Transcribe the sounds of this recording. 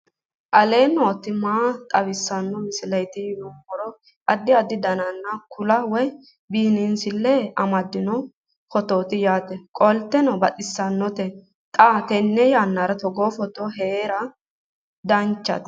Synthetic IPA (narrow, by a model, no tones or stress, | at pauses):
ʔɐleːnoːt̪ːɪmaːt̪ʼɐβɪsːɐnːɔmɪsɪlɐjt̪ɪjnɔkːɔɾɔ | ʔɐd̪ːɪɐd̪ːɪd̪ɐnɐnːɐkʰʊlɐwɔj | biːnɪnsɪlːɛɐmɐd̪ːɪnɔ | fɔt̪oːt̪ɪjaːt̪ɛkʼɔlt̪ːɛnɔbɐt̪ʼɪsːɐnːɔt̪ɛ | t̪ʼat̪ɛnːɛjaːnːaɾɐt̪ɔɡoːfɔt̪oheːɾɐ | d̪ɐnt͡ʃːɐ̰t̪